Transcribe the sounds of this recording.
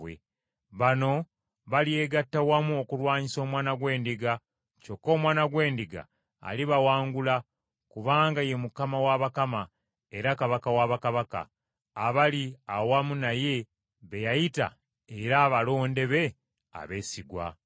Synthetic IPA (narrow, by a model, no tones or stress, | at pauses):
wḛ | βano̞ | βalie̞ːɡatːawamuo̞kulwaːɲiso̞ːmwaːnaɡwe̞ːndiɡa | t͡ʃo̞kːo̞ːmwaːnaɡwe̞ːndiɡa̰ː | liβawaːŋɡula | kuβaːŋɡaje̞mukamawaβakama | e̞ɾakaβakawaβakaβaka̰ː | βaliawamunaje̞ | βe̞jajita̰ | eɾaːβalo̞ːnde̞βe̞ | a̰βe̞ːsiɡwa̰